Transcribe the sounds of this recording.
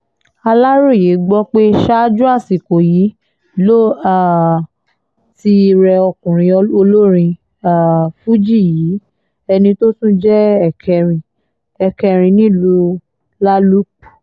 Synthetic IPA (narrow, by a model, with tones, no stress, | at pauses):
a˧la˦ɾo˦˨je˨˦ɡ͡bɔ˦k͡pe˦ʃa˦d͡ʒũ˦a˦˨si˨ko˨ji˨˦ | lo˦a˨ | ti˧ɾɛ˧ɔ˧kũ˨ɾ̃ĩ˨˧o˧lo˦ɾĩ˧ | a˨fu˦d͡ʒi˦˨jiː˨˦ | ɛ˧nĩ˧to˦tũ˦d͡ʒɛ˦ɛ˦˨kʰɛ˧ɾĩ˧ | ɛ˨kɛ˧ɾ̃ĩ˧nĩ˦˨lu˧ | la˦lu˦k͡pu˨